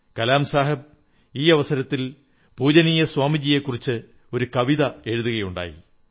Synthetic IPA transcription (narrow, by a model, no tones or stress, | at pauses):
kɐlaːmsaːɦɐb̚ | iːɐʋɐsɐɾɐt̪ːil | bʱuːd͡ʑɐniːjɐswaːmid͡ʑije̞kːurit͡ɕːɨ | o̞ɾukɐʋiðɐe̞ɻuðuɣɐjuɳɖa̰ːjḭ